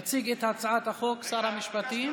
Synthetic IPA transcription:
t͡siɡet̪hat͡sʕat̪haχoksaɾhamiʃpat̪im

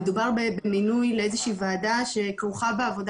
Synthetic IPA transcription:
edubaʁbebeminujleezeʃiːvaːdaʃe̞kʁuχabeavo̞d

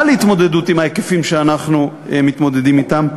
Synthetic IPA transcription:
lit̪mo̞d̪ed̪ut̪imajekefimʃeanaχnuemit̪mo̞d̪e̞d̪imit̪am

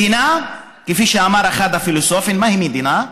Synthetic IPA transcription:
ina | kefiʃeamaɾexad̪afilosofinmahimid̪ina

